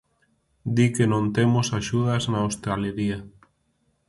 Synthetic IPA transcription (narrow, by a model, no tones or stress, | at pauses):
d̪ikenõnt̪emosaʃuðaznaost̪aleɾia